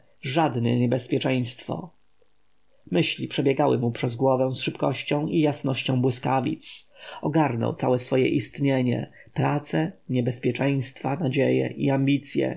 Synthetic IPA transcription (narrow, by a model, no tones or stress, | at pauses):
ʐad̪nɛɲɛbɛspʲjɛt͡ʂɛj̃st̪fɔ̰ | mɘɕlʲipʂɛbʲjɛɡawɘ̰mupʂɛzɡwɔvɛ̃w̃sʂɘpkɔɕt͡ɕɔ̃w̃ijasnɔɕt͡ɕɔ̃w̃bwɘskavʲḭt̪sɔɡaɾnɔ̰wt̪sawɛsfɔjɛ̰ʔist̪ɲeɲɛ̰ | pɾat̪sɛɲɛbɛspʲjɛt͡ʂɛj̃st̪fanad͡ʑɛjɛ̰ʔiambʲit̪sʲjɛ̰